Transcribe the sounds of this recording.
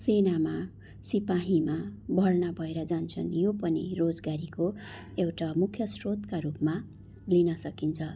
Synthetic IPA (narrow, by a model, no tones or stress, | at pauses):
senama | sipaɦimabʱʌrnabʱʌeɾʌd͡zant͡sʰʌ̰njopʌnḭrod͡zɡaɾiko | ewʈamukʰjʌsrot̪kaɾupma | linʌsʌkint͡sʰʌ